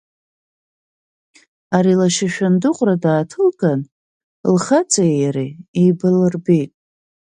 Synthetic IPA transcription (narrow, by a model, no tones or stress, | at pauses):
aɾilaʃaʃᶣandɨqʷʼradaːtʰɨlɡan | lχat͡sʼajaɾiibɨlɨrbejtʼ